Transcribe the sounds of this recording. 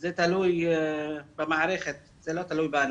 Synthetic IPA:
zet̪aluj | bɪmaʕɾexe | z̥eːlot̪aluːjban

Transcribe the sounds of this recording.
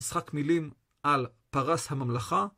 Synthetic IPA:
sχakmilim | ʔal | paʁashamamlaχa

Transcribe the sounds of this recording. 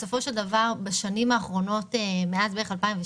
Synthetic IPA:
so̞fo̞ʃe̞ldavaʁbaʃanimaːχʁo̞no̞temeazbeeχalpaimve

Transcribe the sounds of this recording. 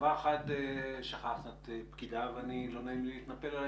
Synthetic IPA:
vaχat̪eʃaχaχnat̪epkid̪avanilonaimliit̪napela

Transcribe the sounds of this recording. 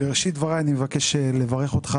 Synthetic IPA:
eʁeʃid̪vaʁajanimevake̞ʃelevaʁe̞χot̪χa

